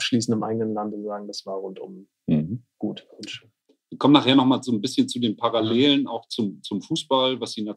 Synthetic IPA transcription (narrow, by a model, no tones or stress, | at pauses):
ʃliːsn̩tɪmʔa̰ɪɡənənlantʊnzaːɡŋ̩dasv̥aːɐʁʊntʊ̰m | m̩hm̩ɡ̥uːtɪnʃøːn | ɪkʰɔmənaχheːɐnɔχmaːlzoːnbɪsçənt͡sudeːnpʰaʁaleːləna̰ʊxt͡sʊmt͡sʊmfuːsb̥alvasz̥iːna